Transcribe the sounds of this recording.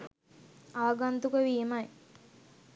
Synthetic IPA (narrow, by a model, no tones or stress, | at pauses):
aːɡant̪ukəʋiːmɐj